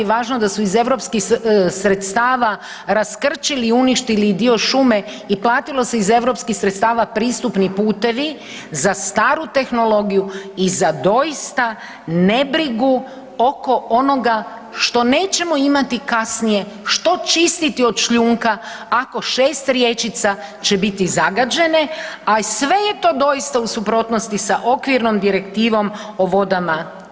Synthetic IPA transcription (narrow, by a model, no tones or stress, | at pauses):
ʋaːʒnod̪asuize̞ʋɾo̞pskixsɾe̞t̪st̪aːʋa | ɾaskr̩t͡ʃiliːuniʃt̪ilid̪io̞ʃume̞ | iplˠaːt̪ilˠo̞seize̞ʋɾo̞pskixsɾet̪st̪aːʋapɾiːst̪upnipuːt̪e̞ʋi | zast̪aːɾut̪e̞xno̞lo̞ɡijuizad̪o̞jist̪a | ne̞bɾiɡu | o̞ko̞ono̞ɡa | ʃt̪o̞ne̞ːt͡ʃe̞mo̞imat̪ikasnije̞ | ʃt̪o̞t͡ʃist̪it̪io̞d̪ʃʎuːŋkaako̞ʃeːst̪ɾje̞t͡ʃit̪sat͡ɕe̞bit̪izaɡad͡ʑe̞ne̞asʋe̞je̞t̪o̞ːd̪o̞jist̪ausupɾo̞ːt̪nost̪isaʔo̞kʋiɾnomd̪iɾe̞kt̪iːʋo̞m | oʋo̞d̪ama